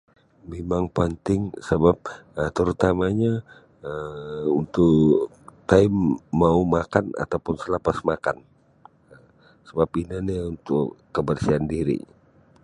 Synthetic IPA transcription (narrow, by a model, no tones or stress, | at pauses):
memaŋpənt̪ɪŋsəbap̚ət̪əɾut̪amaɲa | əunt̪ʊ | t̪aɪmːaumakana̰t̪awpʊnsəlapasmaka̰n | ə | səbapinaniunt̪ʊkːəbərsiandiɾḭ